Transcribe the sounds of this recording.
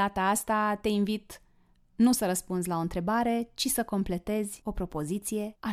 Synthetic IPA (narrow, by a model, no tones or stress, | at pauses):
at̪aast̪at̪e̞invit̪ | nusəɾəspunzʲlao̞ɨnt̪ɾe̞baɾe̞t͡ʃisəko̞mple̞t̪e̞zʲo̞pɾo̞po̞zit̪sije̞a